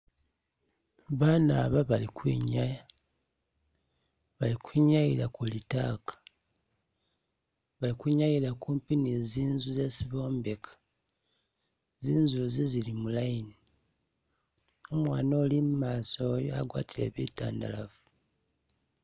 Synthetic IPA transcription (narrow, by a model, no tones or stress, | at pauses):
βaːna̰ːβaβalikwḭːɲaja | βalikwiːɲajiɾakulitaːkḁ | βalikwuɲajiɾakuːmpiniziːnzuze̞siβo̞ːmbekʰḁ | ziːnzuzizilimulajini | omwaːno̞limumaːsojoa̰ɡwa̰ːtʰile̞̰βita̰ːndalavu̥